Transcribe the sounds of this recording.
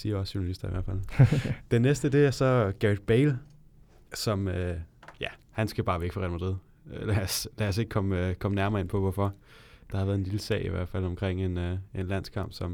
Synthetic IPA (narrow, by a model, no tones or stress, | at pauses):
siːɐɒsɕonælisd̥ɐiʋæɐfæld̥enːesd̥əd̥e̝æɐsɒ̽ɡ̥æid̥̚b̥eɪl | sɒ̽møjæ | hænsɡ̥æb̥ɑ̈ːʋeɡ̥fɒʁɛnmɐd̥eð̰ˠ | læslæɒse̝ɡ̥ə̥kʰɒ̽mkʰɒ̽mənæɐmɐe̝npʰɒ̽ʋɒfɒ̽ | d̥ɑhɑ̈ʋæɐðˠenliləsɛ̰ːɪiʋæɐ̰d̥fælɒ̽mkʰʁeŋ̰e̝ne̝nlæn̰skʰɑ̈m̰b̥sɒ̽m